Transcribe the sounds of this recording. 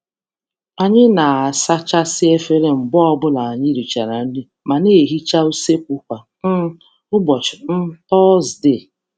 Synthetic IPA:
a˨ɲɪ˦na˨sa˦t͡ʃa˦sɪ˦e˦fe˦ɾe˦m̩˨bɔ˦ɔ˦bʊ˦la˨a˨ɲɪ˦ɾi˨t͡ʃa˨ɾa˨n̩˦di˦ | ma˨ne˦˨ɦi˦t͡ʃa˦u˦se˦k̚ʷu˦kʷa˨ | n̩˦ | ʊ˦bɔ˨t͡ʃɪ˨n̩˦tɔ˦zde˦˨

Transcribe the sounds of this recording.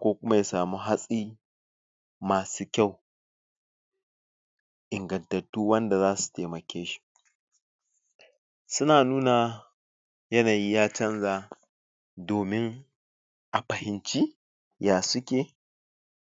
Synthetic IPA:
kʷoː˦kʷʊ˦ma˦ja˦saː˨muː˦ɦa˦sʼiː˦ | maː˨suː˦kʲa˦˨w | ʔɪ˨ŋɡɐ˨ntɐ˨tːuː˦wɐ˦nda˨zaː˦su̥˨teː˨mɐ˨kʲeː˦ʃi̥˦ | sʊ˦naː˨nuː˦na˨ | jɐ˦naː˨ji˦jaː˦t͡ʃɐ˦nzaː˦˨ | doː˨mɪ˦ŋ | ʔa˨ɸɐ˨hɪ˨nt͡ʃi˦ | jaː˨sʊ˦kʲeː˨

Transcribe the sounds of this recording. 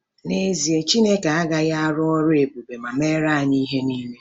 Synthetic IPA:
ne˦zi˨e˦t͡ʃi˦ne˦ka˨a˦ɡa˦ja˦a˦ɾʊ˦ɔ˦ɾʊ˦e˨bu˨be˨ma˨me˦ɾa˦a˨ni˦ɦe˦niː˦me˦

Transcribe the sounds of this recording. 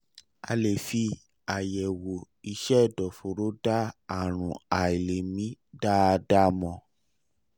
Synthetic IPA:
a̰˧le˨fi˧ | a˨jɛ˨wo˨ | i˧ʃɛ˦˨dɔ˨fo˨ɾo˨˦da˦a˨ɾ̃ũ˨a˨i˨le˨mĩ˨˦da˦˧da˦mɔ̃˧

